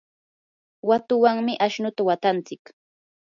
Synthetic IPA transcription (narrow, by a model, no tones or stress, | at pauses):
wat̪ʊwaŋmɪʔaʃnʊt̪awat̪ant͡sɪk